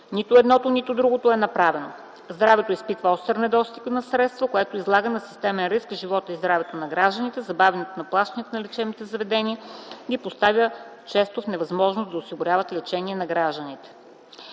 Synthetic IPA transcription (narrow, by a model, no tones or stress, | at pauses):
nit̪ʊɛd̪nɔt̪onit̪ʊd̪ɾuɡot̪oɛnɐpɾavɛno | zd̪ɾavɛt̪oispit̪vəɔst̪əɾnɛd̪ɔst̪iknɐsɾɛt̪st̪vɐkoɛt̪oizlˠaɡənɐsi̥st̪ɛmɛnɾiskʒivɔt̪əizd̪ɾavɛt̪onɐɡɾaʒd̪ənit̪ɛzɐbavɛnɛt̪onɐplˠaʃt̪ənit̪ənɐlɛt͡ʃɛmit̪ɛzɐvɛd̪ɛniəɡipost̪avʲjət͡ʃɛst̪ofnɛvɐzmɔʒnosd̪ɐosiɡʊɾʲavət̪lɛt͡ʃɛniɛnɐɡɾaʒd̪ənit̪ɛ̥